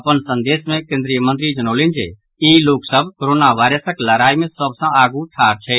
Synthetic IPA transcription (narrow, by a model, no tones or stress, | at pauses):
ɐpənsə̃nd̪eːsmẽkẽnd̪ɾijəmə̃nt̪ɾid͡ʒənoːlɪ̃nd͡ʒḛ | iloːksəbʱkoɾoːnaʋaːɪɾəsəkləɾaːimẽsəb̚ʱsãaːɡuʈʰaːɾt͡ʃʰɛː